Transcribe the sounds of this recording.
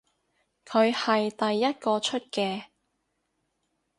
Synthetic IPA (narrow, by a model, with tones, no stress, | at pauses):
kʰɵ˨˧ɥhɐ˨jt̪ɐ˨jːɐ˥t̚kɔː˧t͡ʃʰɵ˥t̚kɛː˧